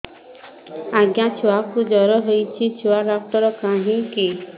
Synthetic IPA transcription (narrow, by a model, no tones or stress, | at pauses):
aɡjat͡ʃʰuakud͡ʒɔɾɔɦojt͡ʃʰit͡ʃʰuaɾak̚t̪ɔɾɔkaɦĩki